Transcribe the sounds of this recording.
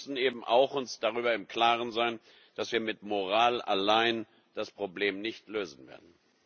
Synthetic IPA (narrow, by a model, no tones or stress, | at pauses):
sn̩eːbm̩ʔa̰ʊxʊnsd̥aʁyːbɐɪmkl̥aːʁənzaɪn | d̥asv̥iːɐmɪtmoʁaːla̰laɪn | d̥aspʁ̥obleːmnɪçtløːzn̩vḛːɐdn̩